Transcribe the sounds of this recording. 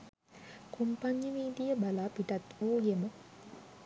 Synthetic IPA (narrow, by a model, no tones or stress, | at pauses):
kumpaɲjəmiːd̪ijəbalaːpiʈat̪ʋuːjemə